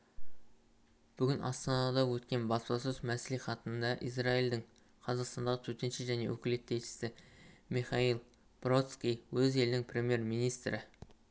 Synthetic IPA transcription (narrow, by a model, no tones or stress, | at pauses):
b̥ʏɡʲɪnʔɑ̰st̪ɑnɑd̪ɑwɵt̪kʲe̞nbɑslɑsəzmæsliχɑt̪ənənd̪ɑʔisrɑild̪ɪŋ | qʰɑzɑqst̪ɑnd̪ɑʁət̪ʰɵt̪e̞nʃɪʒæne̞̰wɵ̰kʲɪle̞t̪ːe̞jʃɪ̥sɪmiχɑilˠ | b̥ro̞t̪skʲijwɵze̞lɪnɪŋpʰrʲe̞mʲje̞rmijnijst̪ɾɪ